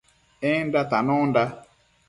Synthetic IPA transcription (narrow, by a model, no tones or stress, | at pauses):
ɪn̩datanʊnda